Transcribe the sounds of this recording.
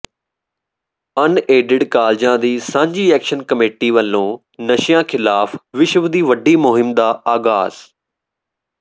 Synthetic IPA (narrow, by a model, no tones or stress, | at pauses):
əneːɖɪɖkaːld͡ʒãːd̪iːsãːɲd͡ʒiːɛːkʃənkəmeːʈiːʋəlːõː | nəʃjãːkʰɪlaːfʋɪʃʋd̪iːʋəɖiːmʊɦɪmd̪aːaːɡaːz̥